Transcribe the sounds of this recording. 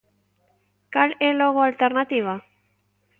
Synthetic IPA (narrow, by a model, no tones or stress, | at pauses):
kaleloɣoalt̪eɾnat̪iβ̞a